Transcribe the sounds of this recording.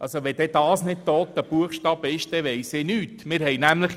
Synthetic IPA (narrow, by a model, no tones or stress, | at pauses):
ɑlsoʋɛd̥ɛd̪̥ɑːsnɪt̚t̪ːoːt̪ːəb̥uəχʃtɑb̥ɪʃd̥̪ɛʋɛjsɪːnyːtmɪɾhɛjnæmləχ